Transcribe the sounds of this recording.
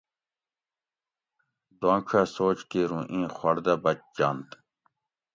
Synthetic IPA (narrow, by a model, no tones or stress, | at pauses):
d̪wãːkʰaːsoːt͡ɕkeːɾũːʔĩːxwɐɽd̪aːbɐt͡ɕd͡ʑaːnt̪